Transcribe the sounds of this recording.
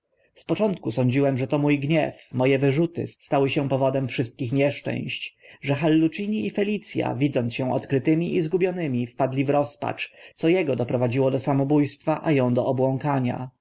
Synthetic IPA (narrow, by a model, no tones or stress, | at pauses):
spɔt͡ʂɔnt̪kusɔɲd͡ʑiwɛmʐɛt̪ɔmujɡɲɛfmɔjɛvɘʐut̪ɘ̰st̪awɘɕɛpɔvɔd̪ɛmfʂɘst̪̚kʲixɲɛʂt͡ʂɛ̰̃w̃ɕt͡ɕʐɛxalːut͡ʂiɲiifɛlʲit̪sʲja̰vʲid̪zɔnt̪sɕɛ̃ʔɔt̪kɾɘt̪ɘmʲiʔizɡubʲjɔnɘmʲifpad̪lʲivɾɔspa̰t͡ʂt̪sɔjɛɡɔd̪ɔpɾɔvad͡ʑiwɔd̪ɔsamɔbujst̪faʔajɔ̃w̃d̪ɔɔbwɔ̃ŋkaɲa̰